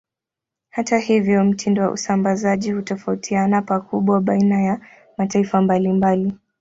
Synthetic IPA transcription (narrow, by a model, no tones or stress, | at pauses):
hatahivjɔm̩tʰindɔwa̰ʔṵsambazaʄihutɔfautʰianapakuɓwaɓainaja | mataifambalimbali